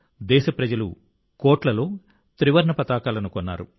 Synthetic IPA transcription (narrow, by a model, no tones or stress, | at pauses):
d̪ɛːʃɐpɾɐd͡ʒɐlṵ | koːʈlɐlo̞ː | t̪ɾiʋɐɾɳɐpɐt̪aːkaːlɐnukonːa̰ːɾṵ